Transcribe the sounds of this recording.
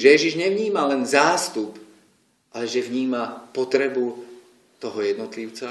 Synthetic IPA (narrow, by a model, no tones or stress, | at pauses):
ʒɛjɛʒiʒɲɛʋɲiːmalɛnzaːst̪up | ʔalɛʒɛʋɲiːmapɔt̪ɾɛbul | t̪ɔɦɔjɛd̪nɔt̪liʊt͡sa